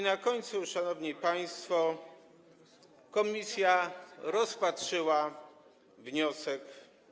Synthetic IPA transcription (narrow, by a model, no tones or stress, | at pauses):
nakɔɲt̪suʂanɔvɲipaj̃st̪fɔ | kɔmʲisʲjaɾɔspatʂɘwa | vɲɔsɛk